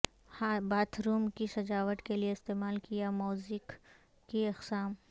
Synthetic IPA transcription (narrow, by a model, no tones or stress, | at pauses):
hbaːt̪ʰɾuːmkisɐd͡ʒaːʋəʈ̪kelieɪst̪eːmaːlkijamuːzɪkː | iɐqsaːm